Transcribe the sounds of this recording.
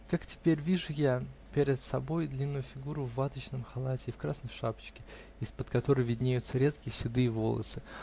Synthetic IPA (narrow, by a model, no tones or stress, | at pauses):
kaktʲɪ̥pʲeɾʲvʲiʐʊjapʲeɾʲɪt̪sɐbo̞jd̪lʲinːʊjʊfʲɪɡuɾʊvːat̪ət͡ɕnəmxɐlˠatʲɪːfkɾasnəjʂapə̥t͡ɕkʲɪ | ɪspət̪kɐt̪o̞ɾəjvʲɪdʲnʲejʊt̪səɾʲe̞t̪kʲɪjəsʲɪd̪ɨːvo̞̰lˠə̰sɨ